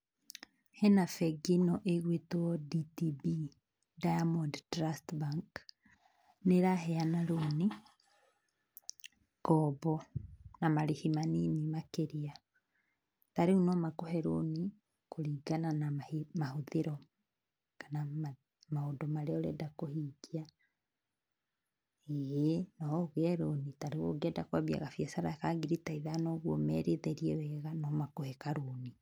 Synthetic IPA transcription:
hɛnafɛɡinɔʔeɣwetɔditibi | dajamɔnddɾastbaŋk | neɾaɦɛanaɾoni | kɔbɔnamaɾihimaninimakeɾia | taɾeunɔmakoɦɛɾoni | koɾiːɡananamaimahoðeɾɔ | kanama | maodomaɾɛɔɾɛdakohiɡia | ejenɔɣɛɾonitaɾeɣoɡɛdakwaβja̰ɣafjɛsaɾakaɡiɾitaiðanoːɣwɔmɛɾeðɛɾiɛwɛɣanɔmakohɛkaɾoni

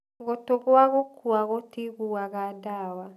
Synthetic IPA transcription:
ɣotoɣwaɣokwaɣotiɣuaɣadawa

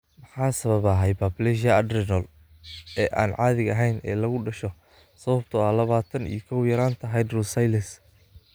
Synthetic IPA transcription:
mɑħɑːsɐβɐβɐɦɛjbablɛʃɐɐd̪rɪnɔːl | ɛːʔa̰ːnʕɑːðɪɣɐɦɛjnʔɛ̰ːlɐɣʊɖɐʃɔ | sɐβɐb̚t̪ʰʊalɐβaːt̪ʰɐnḭjkʰɐwjɐɾaːnt̪ʰɐɦajd̪rɔsajlɐs

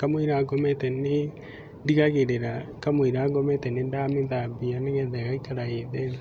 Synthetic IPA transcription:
kamoiɾaɡɔmɛtɛne | ndiɣaɣeɾeɾakamoiɾaːɡɔmɛtɛnendameðabianeɣɛðɛɣaikaɾaeðɛn

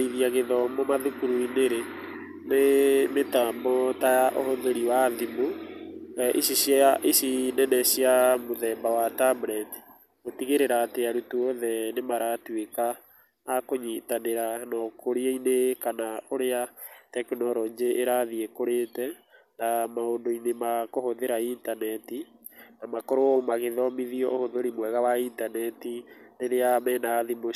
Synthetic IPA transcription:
iðiaɣeðɔmɔmaðukuɾuineɾe | nemetambɔtajaʔohoðeɾiwaðimo | ʔisisjaʔisinɛnɛɕjamoðɛːmbawatamɾɛti̥ | otiɣeɾeɾaːteaɾutuɔðɛnemaɾatwekaː | koɲitaneɾanɔkoɾieinekanaoɾeatɛkenɔɾɔːɲd͡ʑeʔːɾaðiekoɾeːtɛ | namaoːndoinemakohoðeɾaintanɛti | namakɔɾoomaɣeðɔmiðiɔʔohoðoɾimwɛɣawaintanɛtineɾeamɛnaːðimo

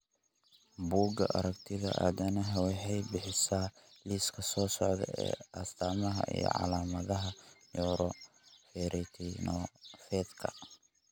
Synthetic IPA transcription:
buːɡɐʔɐ̰ɾɐkt̪ʰɪðɐ̰ʔɐ̰ðɐnɐɦɐwɛɦɛjbɪħɪsaːliːskʰɐsɔːsɔʕðɛ̰ɛ̰ːʔɐst̪ʰaːmɐɦɐ̰ʔḭjɔ̰ʕɑ̰laːmɐðɐɦɐjɔːɾɔ | fɛɾʔɪt̪ʰinɔfɛd̪kʰɐ̰

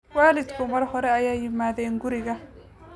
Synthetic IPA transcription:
waːlɪd̪kʰʊmɐrhɔɾɛɐjaːjɪmaːðɛːŋɡʊɾɪɣɐ

